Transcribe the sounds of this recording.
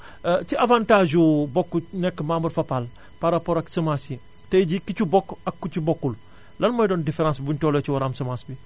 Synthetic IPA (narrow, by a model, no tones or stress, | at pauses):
t͡ʃiavãntaːʒubɔkːunɛkːmambɐɾfapal | paɾapɔɾaksɐmasi | tɐɟikit͡ʃubɔkːakːut͡ʃubokːul | lɐnmɐjdɔːndifeɾãːsbuntɔːlot͡ʃiwaɾamsɐmãsbi